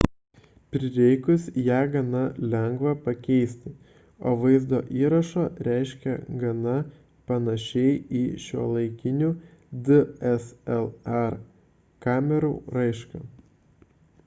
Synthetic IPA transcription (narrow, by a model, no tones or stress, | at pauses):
pʲɾʲɪɾʲɛɪkʊsjæːɡɐnɐlʲɛŋɡʋɐpɐkʲɛɪsʲt̪ʲɪ | o̰ːʋɐɪzd̪oːʔiːɾɐʃoːɾʲæˑɪʃʲkʲɛ̰ɡɐnɐ | pɐnɐʃʲɛɪiːʃʲuɔlˠɐɪkʲɪnʲuːd̪ɨɛsɛlˠɛɾ | kɑːmʲɛɾuːɾɐɪʃkɐ